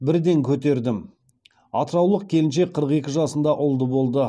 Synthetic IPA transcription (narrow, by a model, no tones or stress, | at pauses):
bɪɾd̪e̞ŋkʲʰɵt̪̬e̞ɾd̪ɪm | ɑ̰t̪əɾɑwlˠəq̚kʲʰe̞lɪnʃe̞qʰəɾəqe̞kʲɪʒɑsənd̪ɑʔʊlˠd̪əbo̞lˠd̪ə